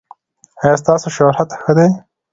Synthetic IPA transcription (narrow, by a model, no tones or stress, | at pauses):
ajɑst̪ɑːsoʃoɾat̪xəd̪ej